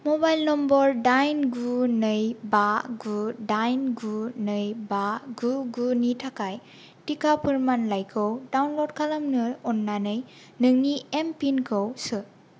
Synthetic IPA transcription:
mobajlnɔmbɔɾdajnɡunɯjbaɡudajnɡunɯjbaɡuɡunitʰakaj | tikapʰɯɾmanlajkʰɯwdawnlodkʰalɐmnɯɔnːanɯj | nɯŋniempinkʰɯwsɯ

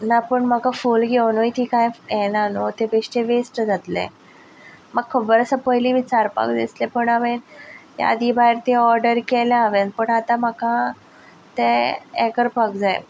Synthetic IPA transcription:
napəɳm̤əkafulɡʱewnojt̪iːkajɛnanot̪ebeʂʈeʋesʈd͡zat̪lḛ̃ | məɡkʰːəbəɾəsəpəjliːʋit͡saɾpa̰kd̪ḭslepəɳaʋenja̰d̪iːbajɾt̪eɔɾɖəɾkɛlaaʋenpəɳat̪ãm̤əkã | t̪ẽɛkəɾpak̚d͡zaj

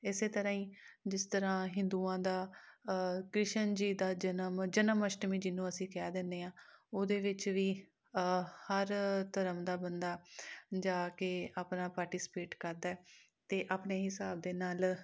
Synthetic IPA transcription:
ɪseːt̪əɾãːĩːd͡ʒɪst̪əɾãːɦɪ̃nd̪uːãːd̪aː | kɾɪʃənd͡ʒiːd̪aːd͡ʒənəmd͡ʒənəməʃʈmiːd͡ʒɪnːũːəsĩːkɛaːd̪ɪnd̪eːãːoːd̪eːʋɪt͡ʃʋiː | həɾt̪əɾəmd̪aːbənd̪aːd͡ʒaːkeːaːpnaːpaːɾʈiːsɪ̥peːʈkəɾd̪aːɛː | t̪eːʔaːpneːɦɪsaːb̚d̪eːnaːl

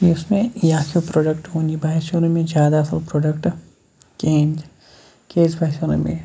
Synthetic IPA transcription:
iʊsmẽjaːkʰopɾoːɖəkʈɦõːnibʱaːɪʃoɾõmẽzjaːd̪aɐsəlpɾoːɖəkʈ | kẽːnd͡ʒ | keːsbʱaːʃoːɾõ̰mḛ̃

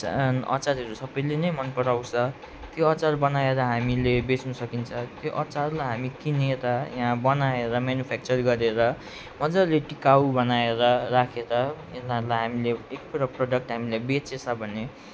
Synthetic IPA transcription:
ʌ̰t͡saɾɦʌɾusʌbʌjlenʌjmʌnpʌɽawsʰʌ | t̪joʌt͡sarbʌnaeɾʌɦamilebet͡snʌsʌkint͡sʰʌt̪joʔʌt͡sarlaɦamikineɾʌjãbʌnaeɾʌmanjupʰak̚t͡sʌrɡʌɾeɾʌ | mʌd͡zaleʈikawbʌnaeɾʌrakʰeɾʌ | enaɾulajɦamileek̚puɾʌproɖʌk̚ʈɦamilebet͡sesʰʌbʱʌne

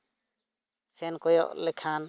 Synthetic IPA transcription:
sɛnkɔjɔ̰ʔlɛkʰan

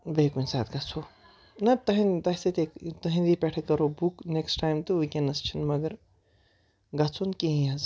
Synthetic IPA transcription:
bɐkunʲsaːt̪̚ɡɐt͡sʰoː | nɐt̪ɐɦĩnt̪ɐset̪ekt̪ɐɦĩnd̪ipeʈʰkɐɾobukneksʈaːjmt̪ɨukʲenɐst͡ʃʰinmɐɡəɾ | ɡɐt͡sʰonkẽɦĩɐz

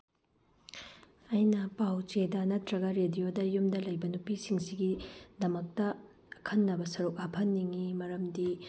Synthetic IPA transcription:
ɐjnɐpawt͡ʃedɐnɐtɾɐɡɐɾedijodɐjumdɐlɐjbɐnupisiŋsiɡidɐmɐk̚tɐː | kʰɐnːɐbɐsɐɾuk̚apʰɐnːiŋimɐɾɐmdi

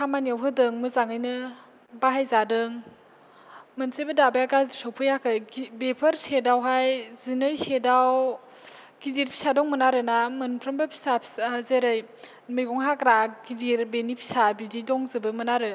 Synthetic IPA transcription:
hamaniawɦɯdɯŋmɯzaŋɯjnɯ | baɦajzadɯŋ | mɯnsebɯdabajaɡazisɔwpʰɯjakʰɯjbepʰɯɾsedawɦajzinɯjsedaw | ɡiziɾpʰi̥sadɔŋmɯnaɾɯnamɯnpʰɾɯmbapʰi̥sapʰzeɾɯj | mɯjɡɔŋɦakɾaɡiziɾbenipʰi̥sabididɔŋzɯbɯmɯnaɾɯ

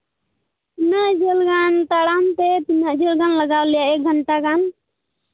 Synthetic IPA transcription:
inaʔd͡ʒelɡant̪aɽamt̪ɛt̪inaʔd͡ʒelɡanləɡawlɛjaʔek̚ɡʱəɳʈakan

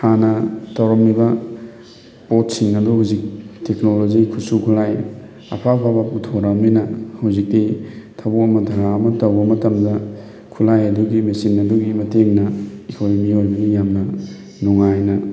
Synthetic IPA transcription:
hanɐtawɾɐmnibɐ | pot̚siŋɐduɦawzik̚teknolozikʰusukʰulaj | ɐ̰pʰapʰabɐutʰoɾawminɐhawzik̚ditʰɐbukɐmɐdʱɐɾaɐmɐtɐwbɐmɐtɐmdɐ | kʰulajɐduɡimesinɐduɡimɐteŋnɐikʰoɾmiojbɐɡijamnɐ | nuŋajnɐ

